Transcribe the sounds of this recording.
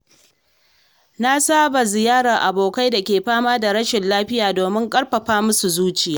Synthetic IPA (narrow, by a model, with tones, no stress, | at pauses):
na˦saː˦ba˨zɪ˨jaː˦ɽɐ˨ʔa˨boː˨ka˦jda˨kʲeː˨ɸaː˦maː˦da˨ɾɐ˦ʃɪ˨nlaː˦ɸɪ˦jaː˨doː˨mɪ˦ŋkʼɐ˦ɽɸɐ˨ɸaː˦mʊ˦su˨zuː˦t͡ʃɪ˨jaː˦